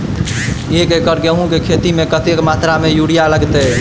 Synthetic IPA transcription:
ekekəɾɡeɦũkekʰet̪imẽkət̪ekmat̪ɾamejuɽijaləɡt̪ə

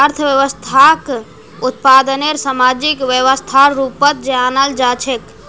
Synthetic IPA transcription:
əɾt̪ʰəʋjəʋəst̪ʰak | ut̪pad̪əneɾsamad͡ʒikʋjəʋəst̪ʰaɾupət̪̚d͡ʒeanəld͡ʒat͡ʃʰek

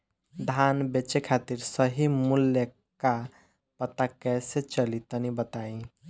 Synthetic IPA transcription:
d̪ʱanbet͡ʃekʰat̪iɾsəɦimulːe | ka | pət̪akɛset͡ʃəlit̪ənibət̪aĩ

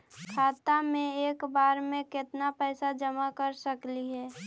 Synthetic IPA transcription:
kʰaːt̪amẽeːkbaːɾmẽkɪt̪napɛːsad͡ʒəmakəɾsəkliɦɛː

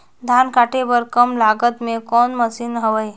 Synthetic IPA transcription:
d̪ʱankaːʈebəɾkəmlaɡət̪mẽkɔːnməsiːnɦəʋəj

